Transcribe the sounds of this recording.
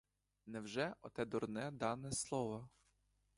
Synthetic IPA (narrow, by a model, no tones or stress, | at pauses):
nɛwʒɛɔt̪ɛd̪ɔrnɛd̪ɑnɛslˠɔʋɐ